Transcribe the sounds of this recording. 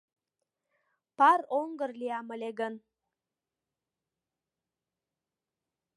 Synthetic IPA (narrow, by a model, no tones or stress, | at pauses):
pɑɾoŋɡərliɑmə̆leɡən